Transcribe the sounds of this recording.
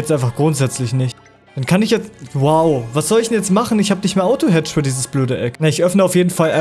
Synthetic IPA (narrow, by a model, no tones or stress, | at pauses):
ɛtʔaɪnfaχɡ̥ʁʊntz̥ɛt͡slɪçnɪçt | d̥ankʰanɪçjɛt͡stwaʊvasz̥ɔlɪçd̥ɛnjɛt͡stmaχn̩ɪçhaːbənɪçtmeːɐʔaʊtoɦɛt͡ʃfyːɐdiːzəsb̥løːdəʔɛknaɪçʔœfnəaʊfjeːdn̩fala